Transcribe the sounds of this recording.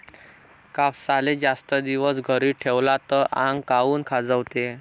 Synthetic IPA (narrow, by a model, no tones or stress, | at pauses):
kafsaled͡zast̪əd̪iʋəsɡʱəɾiːʈʰeʋlat̪əʔãŋɡkauːnkʰad͡zəʋt̪e